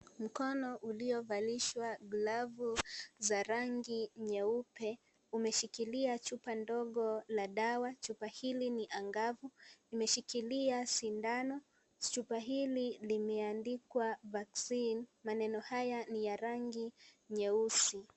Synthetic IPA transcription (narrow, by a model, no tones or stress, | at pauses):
m̩kɔnɔʔuliɔvaliʃwaɡlavuzaɾaŋɡiɲɛupɛ | umɛʃikiliat͡ʃupandɔɠɔlaɗawat͡ʃupahiliniʔaŋɡavunimɛʃikiliasindanɔ | t͡ʃupaɦililimɛandikwavaksinmanɛnɔhajanijaɾaŋɡiɲɛusi